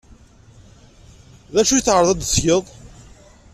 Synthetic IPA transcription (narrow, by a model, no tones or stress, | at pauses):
ðæʃujəθʕəɾˤðˤɑd̪sjəðˤ